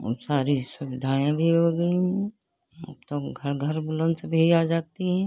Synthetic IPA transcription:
ɦə̰msaːɾisʊʋɪd̪ʱaːẽbʱiɦoːɡəi | ə̰bt̪oɡʱɐɾɡʱəɾbʊlə̃nd̪sebʱiaːd͡ʒaːt̪iɦɛ̃

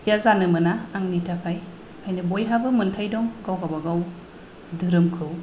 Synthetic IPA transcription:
jazanɯmɯnaːŋnitʰakʰaj | kʰajnɯbɔjɦabɯmɯntʰajdɔŋɡawɡabaɡaw | dɯɾɯmkʰɯw

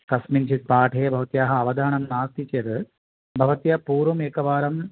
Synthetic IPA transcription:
kɐsmint͡ʃʰit̪̚paːʈʰeːbʱɐʋɐt̪jaːɦɐɐʋɐd̪ʱaːɳɐmnaːst̪it͡ʃeɾɨ | bʱɐʋɐt̪jɐpuːɾʋɐmeːkɐʋaːɾɐm

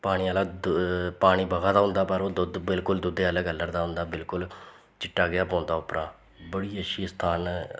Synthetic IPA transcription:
paːɽiːaːlaːd̪paːɽ̃iːbəɡaːd̪aːɦʊ̃nd̪aːpəɾoːd̪ʊd̪bɪlkʊld̪ʊd̪eːələɡəlːəɾd̪aːɦʊ̃nd̪aːbɪlkʊl | t͡ʃɪʈːaːɡɪaːpɔ̃ːnd̪aːʊpɾãː | bəɽiːəʃʰiːst̪ʰaːn

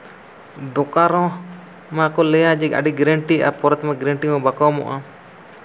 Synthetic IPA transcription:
d̪ɔkaɾɔ̃ | makɔlɛjad͡ʒɛka̰ɖiɡɾɛɳʈiʔa̰pɔɾɛt̪maɡɾɛɳʈimɔbakamɔ̰ʔa

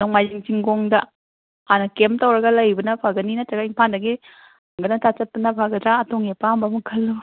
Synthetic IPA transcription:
nomajziŋt͡ʃiŋɡoŋdɐ | anɐkemtɐwɾɐɡɐlɐjbɐnɐpʰaɡɐninɐtaɡaiŋpʰandɐɡi | ŋɡɐnɐtʰat͡ʃɐt̚pɐnɐpʰaɡɐdɾaɐtoŋepambamukʰɐlːu

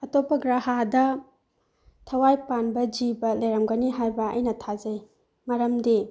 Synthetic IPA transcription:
ɐtopːɐɡɾahadɐ | tʰɐwajpanbɐd͡ʒibɐlejɾɐmɡɐniɦajbɐɐ̰jnɐtʰazɐj | mɐɾɐmdi

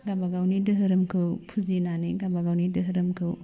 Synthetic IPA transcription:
ɡabaɡawnidɯɦɯɾɯmkʰɯwpʰuzinaniɡabaɡawnidɯɦɯɾɯmkʰɯw

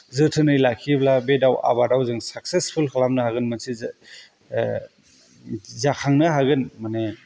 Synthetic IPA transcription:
zɯtʰɯnɯjlakʰiblabedawa̰badawzɯŋsak̚sespʰulkʰalamnɯhaɡɯnmɐnsiz | zakʰaŋnɯɦaɡɯnmane

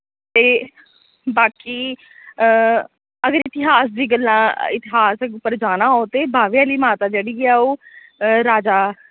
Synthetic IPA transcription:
t̪eː | baːkiː | əɡəɾɪt̪ɪɦaːs̬d͡ʒiːɡəlːnãːɪt̪ɪɦaːsɛʊpːəɾd͡ʒaːnaːɦoːt̪eːbʱaːʋjãːliːmaːt̪aːd͡ʒeːɽiːɛːoː | ɾaːd͡ʒaː

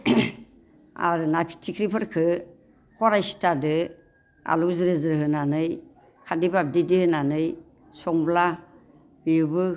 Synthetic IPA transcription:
a̰ɾɯnapʰi̥tʰikʰɾipʰɯɾkʰɯ | kʰɔɾajsi̥tʰadɯ | a̰luzɯɾɯzɯɾɯɦɯnanɯj | kʰadibab̚didihɯnanɯj | sɔŋbla | biɾbɯ

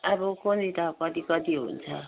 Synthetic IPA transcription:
abʌkonit̪ʌkʌt̪ikʌt̪iɦṵnt͡sʰʌ

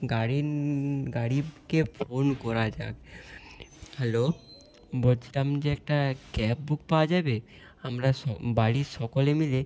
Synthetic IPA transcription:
ɡaɽi | ɡaɽibkefʰonkɔɾad͡ʑa̰k̚ | hɛlo | bolt͡ɕʰilamd͡ʑeɛk̚ʈakɛp̚buk̚paoad͡ʑabe | amɾaʃɔbaɽiʃɔkolemile

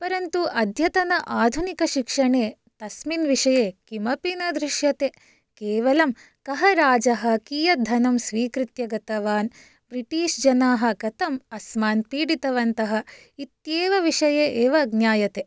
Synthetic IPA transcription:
pɐɾɐnt̪uʔɐd̪ʱjɐt̪ɐnɐʔaːd̪ʱunikɐʃikʂɐɳeː | t̪ɐsminʋiʂɐjeːkimɐpinɐd̪ɾiʃjɐt̪e | kɛːʋɐlɐm | kɐɦɐɾaːd͡ʒɐɦɐ̆kijɐd̪ʱːɐnɐmsʋiːkɾit̪jɐɡɐt̪ɐʋaːn | bɾiʈiːʂd͡ʒɐnaːɦɐ̆kɐt̪ɐmɐsmaːnpiːɽit̪ɐʋɐnt̪ɐɦɐ̆ | it̪jeːʋɐʋiʂɐjeʔeːʋɐɡnjaːjɐt̪e

